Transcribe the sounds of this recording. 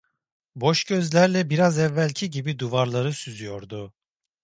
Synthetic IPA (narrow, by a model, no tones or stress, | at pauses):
bo̞ʃɟøzlʲæɾlʲɛbiɾazɛvːælʲcʰiɟibid̪uvaɾlˠaɾɯsyzyjo̞ɾd̪ʊ